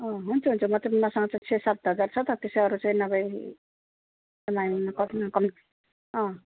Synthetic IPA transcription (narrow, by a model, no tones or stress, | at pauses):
ʌ̃ɦunt͡sʰuɦunt͡sʰumʌt̪ebmasʌŋɡʌt͡saĩt͡sʰesat̪ɦʌd͡zart͡sʰʌt̪ʌt̪esjʌɾut͡saĩnʌbʌj | d̪ʌmaimakʌtkʌm | ɦʌ̃